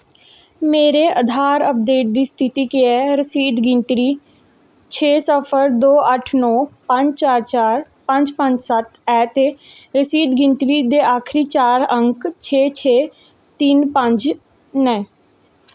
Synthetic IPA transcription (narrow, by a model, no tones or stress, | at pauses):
meːɾeʔəd̪ʱaːɾəp̚d̪eːʈ̚d̪iːst̪ʰɪt̪iːkiɛːɾəsiːd̪ɡɪ̃ɳʈɾiː | t͡ʃʰeːsəpʰəɾd̪oːʔəʈʰnɔːpə̃ɲd͡ʒt͡ʃaːɾt͡ʃaːɾ | pə̃ɲd͡ʒpə̃ɲd͡ʒsət̪ɛːt̪eː | ɾəsiːd̪ɡɪɳʈɾiːd̪eːaːkʰɾiːt͡ʃaːɾəŋkt͡ʃʰeːt͡ʃʰeː | t̪iːnpə̃ɲd͡ʒ | nɛ̃ː